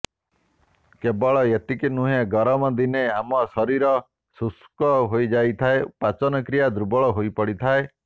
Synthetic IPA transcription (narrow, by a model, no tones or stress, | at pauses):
kebɔɭɔet̪ikinuɦeɡɔɾɔmɔd̪ineamɔsɔɾiɾɔ | suskɔɦojd͡ʒajt̪ʰaepat͡ʃɔnɔkɾijad̪ɾubɔɭɔɦojpɔɽit̪ʰae